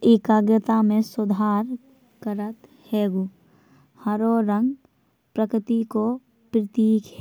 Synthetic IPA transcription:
ɪkaːɡjət̪amẽsʊd̪ʱaːɾ | kəɾət̪ | heːɡu | həɾoɾə̃ŋɡ | pɾəkɾɪt̪iko | pɾɪt̪iːk

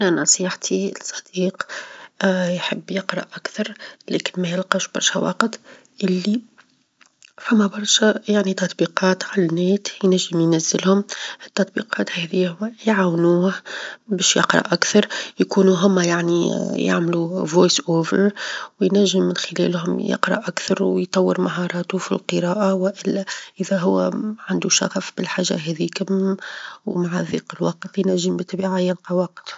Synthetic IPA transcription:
ʔnænɑsˤiːħt̪ʰisˤɑ̥d̪̥iːq | jħəbːjɪqɾˤɑʔʔakθɑɾˤlækɪnmæjɪlqɑʃb̥ɑ̰ɾˤʃæwɑ̰qət̪ˤ | ʔɪlːi | fʊmːæbɑɾˤʃæjaʕnit̪ɑt̪ˤbiqɑːt̪ʕalænːɛːt̪jnæʒːəmjnæzːɪlhʊmət̪ːɑt̪̚ˤbiqɑːt̪hɛðiːhʊwːæjʕawnuːhbɛːʃjɪ̰qɾˤɑ̰ʔakθɑɾˤjkuːnuɦʊmːæjaʕnija̰ʕmluvojsʔoːvə̰ɾwjnæʒːɪmːɪnxɪlɛ̰ːlhʊmjɪ̰qɾˤɑ̰ʔakθɑɾˤwjt̪ˤɑwːəɾmaɦɑɾˤɑːt̪ufilqɨɾˤɑːʔawɪʔɪlːæʔɪðæɦʊwːæʕand̪uʃa̰xfbɪlħaːʒːa̰ɦɛðiːkʊm | wmaʕaðḭːqɪlwɑqt̪jnæʒːɪmbət̪ˤːbiːʕajanqɑwɑq̚t̪

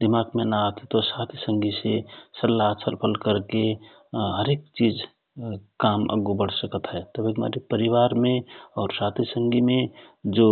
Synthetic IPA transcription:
d̪ɪmaːɡmẽnaat̪ʰit̪osaːt̪ʰisə̃ŋɡʱisesəlːasəɾpʰəlkəɾke | ɦəɾeːk̚t͡ʃiːd͡ʒ | kaːmə̰ɡubəɽ̤səkət̪ɦɛːt̪əbikma̰ːɾipəɾɪʋaːɾmẽɔːɾsaːt̪ʰisə̃ŋɡimẽd͡ʒoː

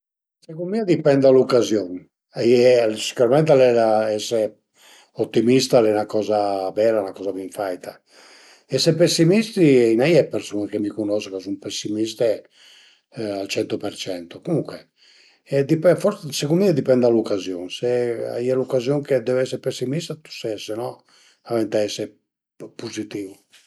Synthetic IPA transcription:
sekummiːad̪ipɛnd̪alukːazjon | ajɛsi̥kuɾamɛnt̪̬alɛlaɛsːe | ot̪ːimist̪alɛnakɔːzabɛːɾanakɔːzaviɱfajt̪ʰa | ɛsɛpesːimist̪iinajɛpːeɾsuːnakemikunɔskokas̬umpesːimist̪e | alt͡ʃɛnt̪opɛɾt͡ʃɛnt̪okomuŋkwe | ɛd̪ipɛfɔɾsekunmind̪ipɛnd̪alukːazjoːnsea̰ialukːazjoŋked̪ɛvɛsːeɾpesːimist̪at̪u̥sɛsenɔ | avɛnt̪aɛsːe | puzit̪iːvu

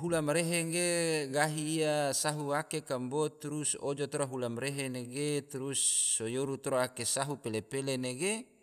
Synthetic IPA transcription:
ɦulamɾeɦeŋɡeɡaɦiːasaɦuakekambot̪uɾusod͡ʒot̪oɾaɦulamɾeɦeneɡet̪ɾusːojoɾut̪oɾoakesaɦupelepeleneɡe

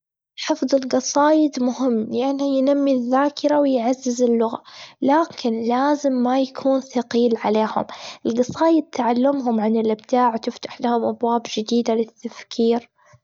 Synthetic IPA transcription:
ħɨfðˤɪlɡɑsˤɑːjɪd̪mʊhɪmːjanijnamːiðːaːkʰɪɾawɪjʕazːɪzɪlːʊɣa̰laːkʰɪnlaːzɪmːajakʰuːnθaqiːlʕaleːhʊ̰mʔɪlɡɑsˤɑːjɪd̪̚t̪ːaʕalːamɦʊmʕanɪlʔɪbd̪aːʕwt̪ɪft̪ḁħlahʊmʔabwaːbd͡ʒɪd̪iːd̪alɪt̪ːafkʰiːɾ

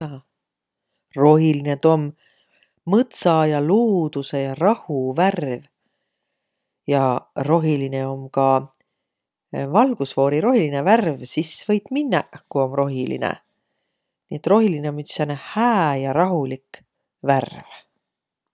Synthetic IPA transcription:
ɑ | ro̞ɦiline̞d̪̥o̞mː | ɤt̪sɑjɑluːd̪use̞jɑrɑhuværv | jɑro̞ɦiline̞o̞mkɑ | vɑlɡ̥usvo̞ːɾiɾo̞ɦilineværvsisvɤjt̪minːɑkuo̞mro̞ɦilḭnḛ | nḭe̞t̪ro̞ɦiline̞omyt̪sɑnehæːjɑɾɑɦulik | værv

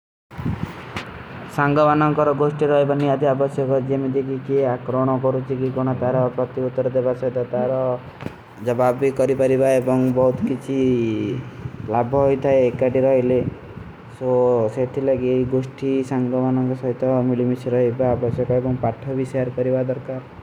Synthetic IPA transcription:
saŋɡɔmanɔŋkɔɾɔɡosʈiɾɔɦebaniad̪ʱiabɔsjɔkɔd͡ʒemid̪ʱikikiakɾɔɽ̃ɔkɔɾut͡ʃʰikikɔɽ̃ɔt̪aɾɔpɾɔt̪iut̪ːɔɾɔd̪ebasɔit̪ɔt̪aɾɔ | d͡ʒɔbabikɔɾipaɾibaebɔŋbɔɦut̪ɔkit͡ʃʰi | labʱɔɦojt̪ʰaeːkaʈiɾɔɦile | soset̪ʰilakiejɡosʈisaŋɡɔmanɔŋkɔsɔɦit̪ɔmilimisɾɔɦibaːbɔsjɔkɔebɔŋpaʈʰɔbiseaɾkɔɾibad̪ɔɾkaɾ

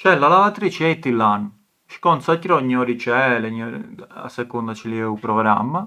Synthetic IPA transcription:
t͡ʃɛlːalaat̪ɾit͡ʃɛjt̪ːilːan | ʃkɔnsacɾɔɲːɔɾit͡ʃɛlɛɲːɔ̰a̰sɛkund̪at͡ʃiliɛupɾɔɡɾa̰mːa

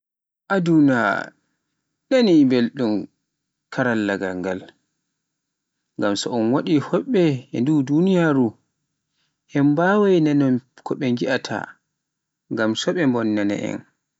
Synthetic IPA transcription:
ʔaduna | ɗanibelɗum | kʰaɾalːaɡaŋɡal | ŋɡamsɔɔnwaɗihɔɓːɛɛndudunijaɾu | ʔɛmbawajnanɔmkʰɔɓɛŋɡiʔatʰa̰ | ŋɡamsɔɓɛmbɔnːana̰ʔɛ̰n

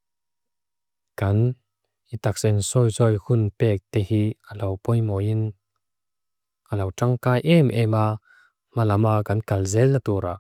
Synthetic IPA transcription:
kɐn | ʔit̪ak̚sɛnsɔjzɔjhʊnpɛːk̚t̪ɛhiəlɐwpɔjmɔin | ʔəlɐwʈ͡ʂaŋkaːjʔɛmʔɛma | malɐmakɐnkɐlzɛlːat̪uɾa

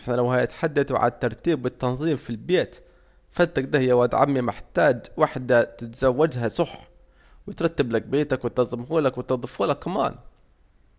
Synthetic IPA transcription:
ɪħnalawhaːjat̪ħad̪ːaθʕa̰t̪ːɑɾˤt̪iːbɪt̪ːɑnzˤiːmfilbeːt̪ | fat̪ːak̚d̪ahjːawad̪ʕa̰mːimɪħt̪aːd͡ʒwaħd̪at̪ɪt̪z̥awːad͡ʒɦasˤʊħħ | wɪt̪ɾˤɑt̪ːablak̚beːt̪akwɪt̪ɑzˤmhuːlakwɪt̪ɑd̪ˤɨfuːlakːama̰ːn

